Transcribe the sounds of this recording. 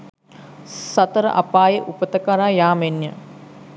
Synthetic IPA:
sɐt̪əɾə̰ʔapaːjeʔupət̪əkaɾaːjaːmenjə

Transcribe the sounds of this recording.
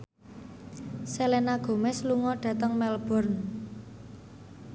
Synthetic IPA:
selenaɡ̥o̤mɛsluŋɔɖ̥ä̤t̪əŋmɛlb̥ɔ̤rn

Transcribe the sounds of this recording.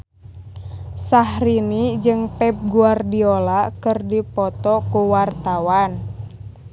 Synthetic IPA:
sahɾinid͡ʒɨŋpɛp̚ɡuardiolakɨrdipɔt̪ɔkuwart̪awan

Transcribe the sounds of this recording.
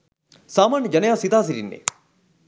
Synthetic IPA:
saːmaːnəd͡ʒɐnəjaːsit̪aːs̬iɾinːḛ

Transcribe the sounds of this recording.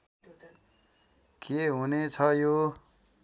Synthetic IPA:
kʰeɦunet͡sʰʌjo

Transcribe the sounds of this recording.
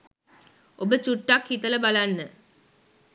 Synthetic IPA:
ʔobət͡ʃuʈːakhit̪ələbalanːə

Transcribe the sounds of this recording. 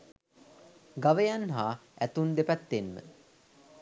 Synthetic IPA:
ɡaʋəjanɦaːæt̪und̪epæt̪ːenmə̰

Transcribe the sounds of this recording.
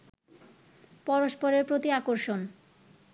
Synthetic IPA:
pɔɾoʃpɔɾeɾpɾot̪iakoɾʃon

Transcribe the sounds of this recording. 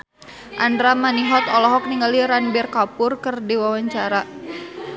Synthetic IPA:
ʔandɾamaniɦɔt̪ɔlɔɦɔk̚niŋɡaliɾanbɛrkapʊrkɨrdiwawaɲt͡ʃaɾa

